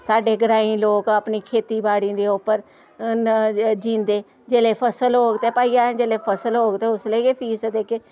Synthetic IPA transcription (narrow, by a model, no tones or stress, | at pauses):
saːɖeːɡəɾaːĩːloːkaːpniːkʰeːt̪iːbaːɽĩːd̪eːʊpːəɾ | d͡ʒĩːnd̪eː | d͡ʒeːleːpʰəsəlɦoːɡt̪eːpaːiːãːd͡ʒeːleːpʰəsəlɦoːɡt̪eːʊsliːkeːpʰiːsd̪eːkeː